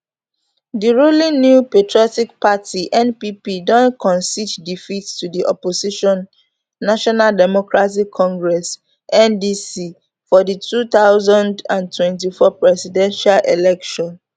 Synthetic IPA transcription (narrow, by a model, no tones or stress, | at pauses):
diɹulĩnjupetɹiɔtikpatʰiʔɛ̃npipidɔ̃nkʰɔ̃nsiddifitstudiʔɔ̰posiʃɔ̃nː | aʃɔnaldɛmɔkɹat̬ikʰːɔ̃ŋɡɹɛs | ʔɛ̃ndisi | fɔditʰut̪aʊzãndãntʰwɛ̃nt̬ifɔpɹɛsidɛ̃nʃalʔelɛkʃɔ̃n